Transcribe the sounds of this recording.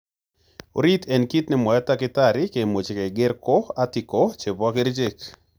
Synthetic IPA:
o̰˨ɾitʰɛ˨nki˦tnɪ˦mɔ˨jɔ˦takɪ˦taɾɪke˨mo˨t͡ʃe˨ke˨ɡɪ˦ɾkɔ˦atɪkot͡ʃe˨bakɪ˦ɾd͡ʒe˦k

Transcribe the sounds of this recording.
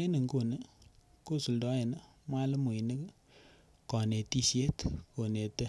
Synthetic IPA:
e˦nə˨ŋko˨nə˦ | ko˦˨su˨ldɔ˨˦e˨na˦mwa˦lə˦mu˨i˨nə˦k | kɔ˨ne˨ti˦sje˦tko˨ne˨tə˦

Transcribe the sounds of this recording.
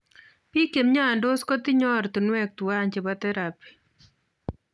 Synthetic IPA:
pi˦ke˨mɲa˦˨ndo˦skɔ˦ti˦ɲɔ˦rti˨nwɛ˦k̚tu˨a˦ɲt͡ʃe˨bɔ˦tɛ˦ɾa˨pi̥˦

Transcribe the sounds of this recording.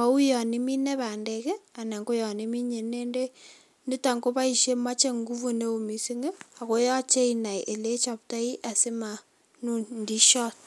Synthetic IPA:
a˦u˦jɔ˨ni˦mi˦nɛ˦pa˨ndɛ˨kɛ˦a˨nɛ˨ŋɡo˦jɔ˨ni˦mi˦ɲe˨ne˦nde˦ | ndɪ˦ta˨ŋɡo˦pa˦i˨ʃe˦ma˦t͡ʃe˦ŋɡu˦vu˦˨ne˦o˨mi˨si˦ŋe˦a˨ko˦jɔ˦t͡ʃe˦ina˨jʔe˨le˦t͡ʃa˨p̚ta˦i˦ʔa˨sɪ˦ma˨ | nu˦ndi˦ʃɔ˦t̚

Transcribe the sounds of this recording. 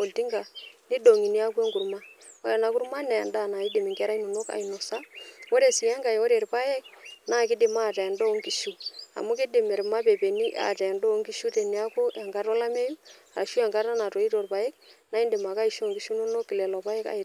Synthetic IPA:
o˨lti˦ŋɡa˨ni˦do˨ŋi˨ni˦a˦ku˦ɛ˦ŋɡu˨ɾma˦ɔ˦jɛ˨na˨ku˦ɾma˦nɛ˨nda˦˨na˨i˦di˨mɪ˨ŋɡɛ˦ɾa˦i˦no˨no˦ka̰˨i˨no˨sa˦wo˦ɾe˨si˨ɛ˦ŋɡa˨jwo˦ɾe˨ɾpa˦jɛ˦k̚na˦˨kɪ˦dɪ˨ma˦˨tɛ˨ndo˦ŋki˨ʃu˦a̰˨mu˦kɪ˦dɪ˨mɛ˨ɾma˦pe˨pe˨ni˦ʔa̰˨tɛ˨ndo˦ŋki˦ʃu˦te˨ni˨a˦ku˦ɛ˨ŋɡa˦ɾɔ˦la˦me˦ju˦a˨a˨ʃu˦ɛ˨ŋɡa˦ɾa˦na˨to˨i˦to˨ɾpa˨e˦k̚na˨˦ɪ˦ndɪ˨ma˨ka˦i˨ʃo˨ŋɡi˨˦ʃu˦no˦no˦kːɪ˨lɛ˨lɔ˨pa˦ɛ˦ka̰˦ɪ˨t

